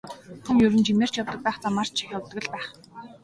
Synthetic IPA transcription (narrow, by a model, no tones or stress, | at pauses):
xuŋjɵɾɘ̆nt͡ɕimeːr̥t͡ɕjawt̪ə̆k̚pæːχt͡samar̥t͡ɕt͡ɕʰixʲjawt̪ə̆ɣ̆ɮpæːχ